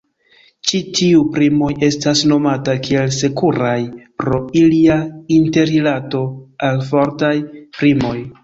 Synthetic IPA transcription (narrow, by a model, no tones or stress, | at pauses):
t͡ʃitʰiupɾimo̞je̞stasno̞matakie̞lse̞kuɾajpɾo̞iliainte̞ɾilato̞alfo̞ɾtajpɾimo̞j